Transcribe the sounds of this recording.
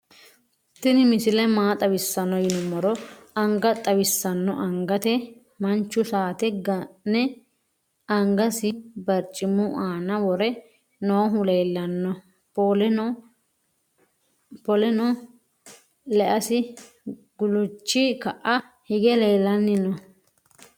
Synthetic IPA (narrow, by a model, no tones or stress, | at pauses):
t̪ːɪnɪmɪsɪlɛmaːt̪ʼɐwɪsːɐnɔjɪnʊmɔɾɔɐŋɡɐt̪ʼɐwɪsːɐnːɔ̰ʔɐŋɡɐt̪ɛ | mɐnt͡ʃːʊsaːt̪ɛɡɐnɛ | ɐŋɡɐsɪbɐɾt͡ʃʼːɪmʊʔaːnɐwɔɾɛ | nɔɦʊleːlːɐnːɔ | pɔlɛnɔ | lɛʔɐsɪ | ɡ̥ʊlʊt͡ʃːɪkɐʔɐ | hɪɡɛleːlːɐnːɪnɔ